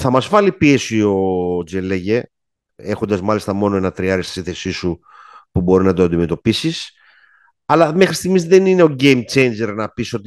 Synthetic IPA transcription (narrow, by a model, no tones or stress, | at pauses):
θɐmɐzvɐlipie̞sio̞d͡zeleʝe | e̞xond̪ɐzmɐlist̪ɐmo̞noe̞nɐt̪ɾiɐɾist̪isinθe̞sisu | pubo̞ɾiznɐd̪oɐnd̪ime̞t̪o̞pisis | ɐlɐme̞xɾist̪iɣmizðenine̞o̞ɟe̞jmt͡ʃe̞jnd͡ʒe̞ɾnɐpiso̞t̪i